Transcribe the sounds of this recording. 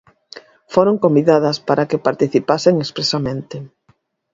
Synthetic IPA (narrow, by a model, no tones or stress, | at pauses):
foɾoŋkombiðað̞ɐspaɾakepaɾt̪iθipaseŋespɾesamẽnt̪e